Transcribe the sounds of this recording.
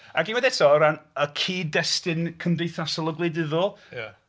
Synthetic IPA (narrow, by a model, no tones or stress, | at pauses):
aɡinwɛdɛtʰɔɔɾanəkʰiːdɛstɪnkʰəmdejθasɔlˠəɡlˠɪdɪðʊlˠj